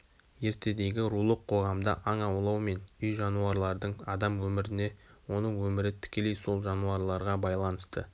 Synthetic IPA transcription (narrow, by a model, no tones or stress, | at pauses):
je̞ɾt̪ʰe̞d̪e̞ɡʲɪɾulˠəqʰːo̞ʁɑmd̪ə̰ʔɑɴɑwlˠɑwme̞nʏjʒɑnuɑɾlˠɑɾd̪əɴɑd̪ɑmwɵmɪɾɪne̞wo̞nəɴwɵmɪɾɪt̪ʰɪ̥kʲe̞le̞jso̞lˠʒɑnuɑɾlˠɑɾʁɑbɑjlˠɑnəst̪ə̰